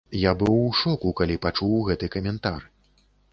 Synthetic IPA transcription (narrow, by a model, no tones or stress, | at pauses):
jabɨwʂɔkukalʲipat͡ʂuwɣɛt̪ɨkɐmʲɛnt̪ar